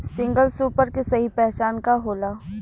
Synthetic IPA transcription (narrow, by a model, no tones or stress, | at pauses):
sɪ̃ŋɡəlsuːpəɾkesɐɦipɛɦt͡ʃaːnkaɦoːlaː